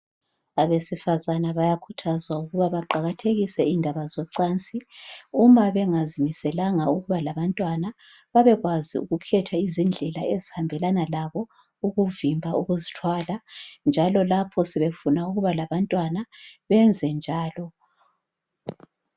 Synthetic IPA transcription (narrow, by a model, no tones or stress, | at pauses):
aβesifazanaβajakʰutʰazwauɣuβaβaǃaɣatʰeɣisɛindʱaβazɔǀant͡sʼiumaβɛŋazimisɛlaŋauɣuβalaβantʼwana | βaβɛɣwazḭṵɣukʰɛtʰaizind͡ɮʱɛlaezihambʱɛlanalaβɔ | uɣuvimbʱauɣuzitʰwaːland͡ʒʱalɔlapʰɔsɛβefunauɣuβalaβantʼwanaβɛnd͡zʱɛnd͡ʒʱaːlɔ